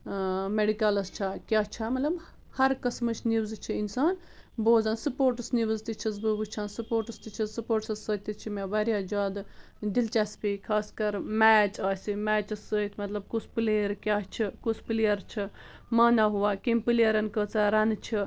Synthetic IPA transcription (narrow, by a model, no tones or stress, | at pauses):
meɖikalɐst͡ʃʰakʲaːt͡ʃʰamɐt̪lɐb | hɐɾkɐsmɨt͡ʃʰniʋzt͡ʃʰiinsaːn | boːzansupoːɾʈɨsniʋzt̪it͡ʃʰisbɨbɨt͡ʃʰaːnsupoːɾʈɨst̪it͡ʃʰisupoːʈsɐsət̪ʲːit͡ʃʰimʲaʋaɾjad͡ʒaːd̪ | d̪ilt͡ʃaspikʰaːskɐɾmɛːt͡ʃaːsʲimɛːt͡ʃɐsəit̪ʰmɐt̪lɐb̚kuspɨliːɾkʲjaːt͡ʃʰikuspɨlijɐɾt͡ʃʰi | maːnaɦuʋaːkimpɨlijɐɾɐnkət͡saɾɐnt͡ʃʰi